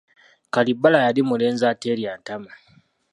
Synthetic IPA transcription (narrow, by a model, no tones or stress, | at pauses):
kalibːalajadimuleːnzaːteɾiantama